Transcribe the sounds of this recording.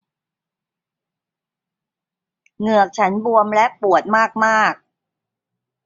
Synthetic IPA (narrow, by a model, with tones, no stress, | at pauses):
ŋɯ˨˩ək̚t͡ɕʰa˦˥nbu˧əmlɛ˦˥ʔpu˨˩ət̪̚maː˥˩k̚maː˥˩k̚